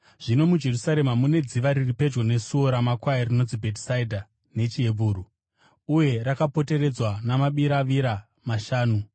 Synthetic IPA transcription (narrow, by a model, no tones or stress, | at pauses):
ʐ̥ino̞mud͡ʒe̞rusaɾe̞mamune̞d͡ziʋaɾiripe̞d͡ʒɡo̞ne̞suo̞ɾamakwajerino̞nd͡zibʱeti̥saidʱa | ne̞t͡ʃie̞buːɾu | uje̞ɾakapo̞te̞ɾe̞d͡zwanamaɓiɾaʋiɾa | maʃaːnu